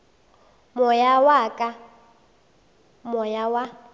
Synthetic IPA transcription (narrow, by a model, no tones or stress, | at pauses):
mʊjawakʼa | mɔjawa